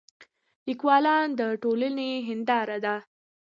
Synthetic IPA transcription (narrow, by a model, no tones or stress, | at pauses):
ikwɑlɑnd̪əʈoləneɦɪnd̪ɑɾad̪a